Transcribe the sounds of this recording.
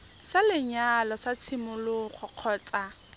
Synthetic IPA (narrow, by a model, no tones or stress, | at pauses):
salɪɲalɔsat͡sʰɪmʊlʊχʊq͡χʰɔːt͡sʼa